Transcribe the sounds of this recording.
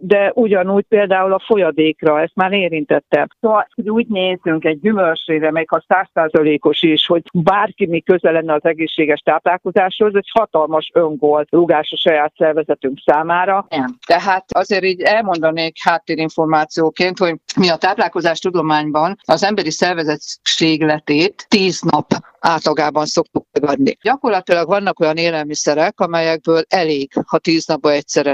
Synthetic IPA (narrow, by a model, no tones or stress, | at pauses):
d̪ɛuɟɒnuːɟ̚peːld̪aːulɒfo̞jɒd̪eːkrɒɛst̪maːɾeːɾint̪ɛt̪ːɛmsoːvɒloɟuːɟneːzyŋkɛɟ̚ːymølt͡ʃreːɾɛmɛjkɒsaːsːaːzɒleːko̞ʃiʃho̞ɟ̚baːrkimikøzɛlɛnːɛɒzɛɡeːʃːeːɡɛʃt̪aːplaːlko̞zaːʃho̞zɛɟhɒt̪ɒlmɒʃøŋɡolruɡaːʃɒʃɒjaːt̪sɛrvɛzɛt̪yŋksaːmaːɾɒɛnt̪ɛɦaːt̪ɒzeːɾiːɟɛlmo̞nd̪ɒneːkhaːt̪ːeːɾiɱfo̞rmaːt̪sijoːkeːnt̪ho̞ɟmiɒt̪aːplaːlko̞zaːʃt̪ud̪o̞maːɲbɒnɒzɛmbɛɾisɛrvɛzɛt̪ʃeːɡlɛt̪eːt̪ːiːznɒp | aːt̪lɒɡaːbɒnso̞kt̪uk̚mɛɡɒd̪nḭɟɒko̞rlɒt̪ilɒɡvɒnːɒko̞jɒneːlɛlmisɛɾɛkɒmɛjɛɡ̚bøːlɛleːɡhɒt̪iːznɒb̚bɒɛc̚sɛɾɛ